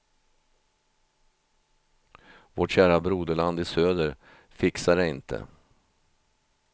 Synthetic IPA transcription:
voʈɕæːɾabɾuːd̪əɭand̪ɪsøːd̪əɾ | fɪksaɾɛɪnt̪ʰə̰

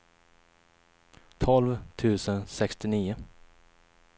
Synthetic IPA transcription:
t̪ʰɔlvt̪ʰʉ̟ːsənsɛkst̪ɪniːʊ

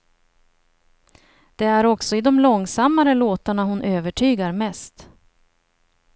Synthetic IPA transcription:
d̪̥ɛæɾɔksɔɪd̪ɔmlɔŋsamːaɾəloːt̪aɳaɦʊnʔøːvəʈʰyːɡaɾmɛst̪

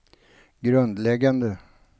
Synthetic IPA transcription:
ɡɾɵnd̪lɛɡand̪ə

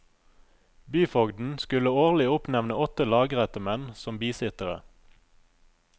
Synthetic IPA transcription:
byːfɔɡd̪n̩skʉləoːʁlɪʊpnɛʋnəɔt̪əlɑːɡʁɛt̪əmɛnsɔmbiːsɪt̪əʁə̰

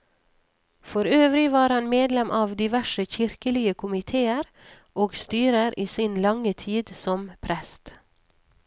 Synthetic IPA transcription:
fɔɾøːʋɾɪʋɑːɾhɑnmeːd̪lɛmʔɑːʋd̪ɪʋæʃəçɪɾkəlɪəkʰʊmɪt̪ʰeːəɾ | oːɡst̪yːɾəɾiːsinlɑŋət̪ʰiːd̪sɔmpʰɾɛst̪

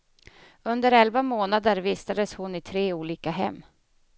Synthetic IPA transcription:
ɵnd̪əɾɛlvamoːnad̪əɾviːst̪ad̪əshʊnɪt̪ʰɾeːuːliːkaɦɛ̰mː

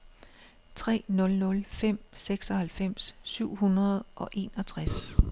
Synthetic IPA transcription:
t͡sʰʁɛ̰ːnɔ̽lnɔ̽lfem̰seɡ̥sɒ̽hælfem̰sːyʊ̰hunɐð̞ˠʔɒ̽ʔe̝̰ːnɒ̽t͡sʰʁas

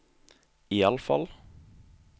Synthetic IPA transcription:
iːɑləfɑ̰l

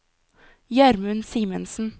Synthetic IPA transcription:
jæɾmʉnsiːmənsn̩

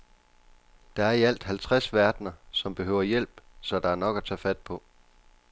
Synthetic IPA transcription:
d̥ɑ̈æɐiæl̰d̥hælt͡sʰʁasʋæɐd̥nɐsɒ̽mb̥e̝ɦøʊɐjel̰b̥sɒ̽d̥ɑ̈æɐnɒ̽ɡ̥æt͡sʰɛ̰ːfæd̥̚pʰɒ̽

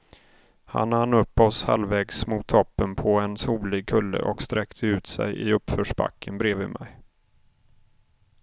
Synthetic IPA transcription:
ha̰nːanːɵpːɔsha̰lvɛːɡsmʊt̪ʰːɔpːənpʰɔɛnsuːlɪɡ̚kʰɵlːə̰ʔɔkst̪ɾɛkt̪ʰəʉ̟ːt̪sɛ̰jʔɪ̰ɵpːfœːʂba̰kʰːənbɾeːvɪmɛj

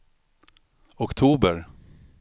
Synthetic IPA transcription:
ɔkt̪ʰuːbəɾ

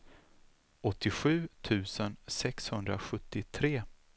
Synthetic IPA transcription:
ɔt̪ʰːɪɧʉ̟ːt̪ʰʉ̟ːsənsɛkshɵnd̪ɾa̰ɧɵt̪ːɪt̪ʰɾeː

